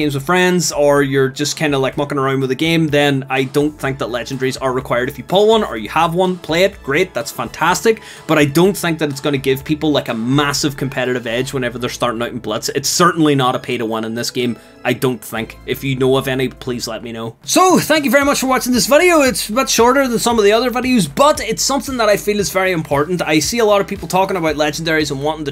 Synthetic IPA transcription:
ẽmzwɨð̥fɹɛ̃ndzə˞jə˞d͡ʒʌskʰãɪ̃ndəlˠaɪk̚mʌkɪ̃ŋəɹãʊ̃nwəðɨɡẽɪ̃mðɨ̃naɪdõʊ̃nθɪ̃ŋk̚ðəʔˡlɛd͡ʒ̃n̩dɛɹizə˞ɹɨkʰw̥aɪə˞ɾɨfjɨpʰowʌ̃nə̰˞jɨəvwʌ̃npʰl̥eɪɨt̚ɡ̥ɹeɪt̪̚ðætsfæ̃ntʰæstɨk̚ | b̥ʌɾaɪdõʊ̃nθɪ̃ŋk̚ðəɾɨtsɡ̥ʌnɨɡɪv̥pʰipl̩ˠlˠaɪkəmasɨv̥kʰɨ̃m̩pʰɛɾɨɾɨvɛd͡ʒwɛ̃ñɛvə˞ðə˞stɑɹɾɪ̃ŋaʊʔn̩blˠʌtsɨtsɜ˞ʔn̩l̩ˠinəɾəpʰeɪɾəwʌ̃nə̃nðɪsɡ̥ẽɪ̃m | ʔaɪdõʊ̃nθɪ̰̃ŋkɨfjɨnoʌvɛnipʰl̥izlˠɛt̚minoʊsoθæ̃ŋk̬jɨvɛɹimʌt͡ʃfə˞wɑt͡ʃɪ̃ŋðɪsvɪɾioɪtsəbɪtʃɔɹɾə˞ðə̃nsʌ̃mʌvðiʌðə˞vɪɾiozbʌɾɪtsʌ̃mθɪ̃ŋðəɾaɪfĩnɨzvɛɹiɨ̃mpʰɔɹʔn̩taɪsiəlˠɔɾʌv̥pʰipl̩ˠtʰɔkɪ̃ŋəbaʊʔˡlˠɛd͡ʒ̃n̩dɛɹizə̃nwɑ̃ntɪ̃ŋtʰɨ

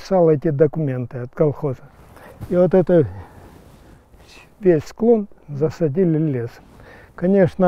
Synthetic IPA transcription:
salˠɛtʲɪd̪əkʊmʲe̞nt̪ɨɐt̪kɐlˠxozə | ivot̪ɛt̪ə | vʲesʲsklˠonzəsɐdʲilʲɪlʲes | kɐnʲe̞ʂnə

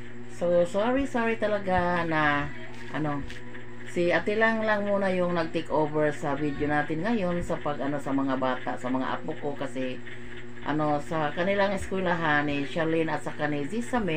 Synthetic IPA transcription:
sosaɹisaɹit̪ɐlaɡana | ʔɐno | sɪʔat̪ɪlaŋlaŋmuːnajʊŋnɐɡ̚t̪ekʔovɛɹsɐvid̪jonaːt̪ɪnŋɐjonsɐpaɡʔɐno̞sɐmɐŋabaːt̪a̰ʔsɐmɐŋa̰ʔa̰pokokasɪ | ʔɐ̰no̞sakɐnɪlaŋɪskwɛlaɦanɪʃalɪnɐt̪̚sakanizisamɛ

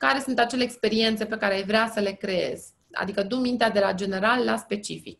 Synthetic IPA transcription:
kaɾe̞sunt̪at͡ʃe̞leːkspe̞ɾie̞nt̪sepe̞kaɾeajvɾeasəle̞kɾee̞̰zʲ | a̰d̪ikəd̪umint̪ead̪e̞lad͡ʒe̞ne̞ɾalːaspe̞t͡ʃifḭk̚

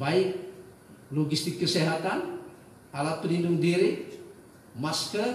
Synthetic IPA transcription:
baik̚ | lɔɡist̪ikːəseɦat̪an | alat̪̚pəlinduŋdiɾi | maskə

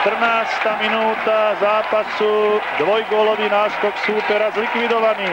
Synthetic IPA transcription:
t̪r̩naːst̪aːminuːt̪azaːpasuːd̪ʋɔjɡʊɔlɔʋiːnaːskɔksuːt̪ɛɾazlikʋid̪ɔʋaniː

